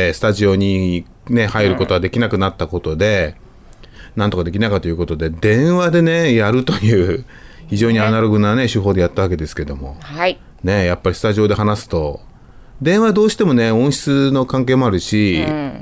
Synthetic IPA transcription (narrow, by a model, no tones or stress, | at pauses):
sɨ̥t̪aʑio̞ɲ̟i | ne̞haiɾɯ̟ko̞t̪o̞ad̪e̞kʲinakɯ̟nat̪ːako̞t̪o̞d̪e̞ | nãnt̪o̞kad̪e̞kʲinakat̪o̞jɯ̟ko̞t̪o̞d̪e̞d̪ẽ̞ɰ̃βad̪e̞ne̞jaɾɯ̟t̪o̞jɯ̟ː | çiʑo̞ːɲ̟ianaɾo̞ɡɯ̟nane̞ɕɨɦo̞ːd̪e̞jat̪ːaβake̞d̪e̞sɨ̥ke̞d̪o̞mo̞̰ha | ne̞japːaɾʲisɨ̥t̪aʑio̞ːd̪e̞ɦanasɨ̥t̪o̞ | d̪ẽ̞ɰ̃βad̪o̞ːɕi̥t̪e̞mo̞ne̞õɰ̃ɕi̥t͡sɨno̞kãŋke̞ːmo̞aɾɯ̟ɕi